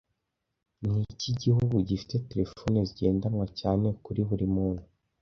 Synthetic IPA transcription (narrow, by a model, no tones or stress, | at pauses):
n̥iciɟiɦuɡuɟifi̥te̞te̞ɾe̞fo̞neziɟe̞ːndanwacaːne̞kuɾihuɾimuːnu